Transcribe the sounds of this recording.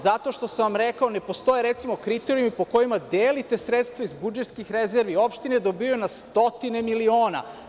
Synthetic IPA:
zat̪o̞ʃt̪o̞saʋamɾekao̞ne̞po̞st̪o̞jeɾe̞t̪simo̞kɾit̪e̞ɾiumipo̞ko̞imad̪eːlit̪e̞sɾet̪st̪ʋaizbud͡ʒet̪skixɾezeɾʋio̞pʃt̪ined̪o̞bionast̪o̞t̪ine̞milio̞ːna̰

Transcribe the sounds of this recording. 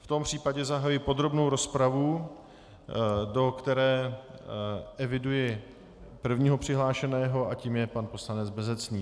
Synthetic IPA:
ft̪o̞mpr̝̥iːpaɟɛzaɦajujɪpo̞d̪ɾo̞bno̞wɾo̞spɾavu | do̞kt̪ɛɾɛː | ʔɛvɪdujɪ | pr̩vɲiːɦo̞pr̝̥ɪɦlaːʃɛnɛːɦo̞ʔaciːmjɛpanpo̞slanɛd͡zbɛzɛt͡sniː

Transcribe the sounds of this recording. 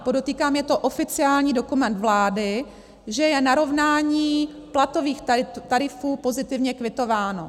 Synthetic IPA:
podot̪iːkaːmjɛt̪o̞ʔofɪt͡sɪaːlɲiːdo̞kumɛnt̪vlaːdɪ | ʒɛjɛnaɾo̞vnaːɲiː | plat̪o̞viːxt̪aɾɪfuːpo̞zɪt̪ɪvɲɛkvɪt̪o̞vaːno̞̰

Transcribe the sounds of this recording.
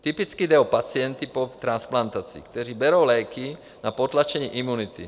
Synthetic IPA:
t̪ipit͡skid̪ɛɔpat͡sɪɛnt̪ipɔt̪ɾansplant̪at͡sḭːkt̪ɛɾiːbɛɾoʊlɛjki | napɔt̪lat͡ʃɛɲiʔimunit̪ḭ

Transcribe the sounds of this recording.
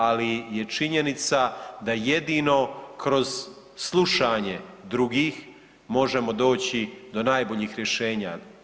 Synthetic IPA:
alije̞t͡ʃiɲenit̪sad̪aje̞d̪ino̞kɾo̞z̥ | slˠuʃaɲe̞d̪ɾuɡiːx | mo̞ʒe̞mo̞d̪o̞ːt͡ɕid̪o̞najboʎiːxɾje̞ʃe̞ːɲa̰

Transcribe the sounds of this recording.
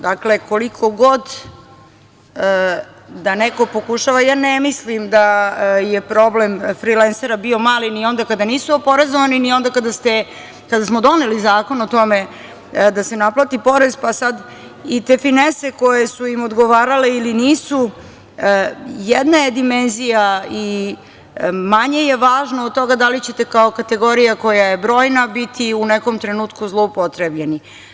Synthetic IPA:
d̪akle̞ko̞likʰo̞ɡod̪ | d̪aneko̞po̞kuʃaʋajaːnemislimd̪ajepɾo̞blemfɾilenseɾabio̞maːlinio̞nd̪akad̪aniːsuopo̞ɾezoʋaninio̞nd̪akad̪ast̪e | kad̪asmod̪o̞ne̞lizaːko̞not̪o̞me̞ | d̪ase̞naplˠat̪ipo̞ɾe̞zpasad̪ | it̪e̞finese̞ko̞jesujimod̪ɡoʋaːɾale̞iliniːsu | jed̪naje̞d̪ime̞nzijai | maɲe̞je̞ʋaːʒnoːd̪̚t̪ːo̞ɡad̪alit͡ɕe̞t̪ekaokat̪e̞ɡo̞ɾijako̞jaje̞bɾo̞ːjnabit̪ʰiuneko̞mt̪ɾenuːt̪kuzlˠoupot̪ɾebʎeni

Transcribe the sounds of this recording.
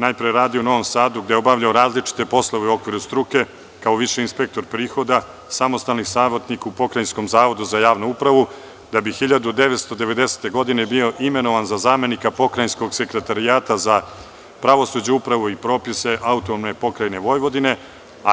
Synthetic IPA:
najpɾijeɾaːd̪iouno̞ʋo̞msaːd̪uɡd̪eo̞baʋʎaoɾaːzlit͡ʃi̥t̪e̞po̞slˠo̞ʋeuo̞kʋiːɾust̪ɾuke̞ | kao̞ʋiʂeinspek̚t̪o̞ɾpɾiːxo̞d̪a | samo̞st̪alnisaːʋot̪nikupo̞kɾajnsko̞mzaːʋo̞d̪uzajaːʋnuupɾaʋu | d̪abixiʎad̪ud̪e̞ʋet̪st̪o̞d̪e̞ʋe̞d̪e̞se̥t̪e̞ɡo̞d̪ine̞bio̞ʔime̞no̞ʋanzazaːme̞nikapo̞kɾajnsko̞ɡse̞kɾe̞t̪aɾiaːt̪aza | pɾaʋo̞sud͡ʑuupɾaʋuipɾo̞ːpise̞ʔaut̪onomnepo̞kɾajne̞ʋo̞jʋo̞d̪ine̞ | a

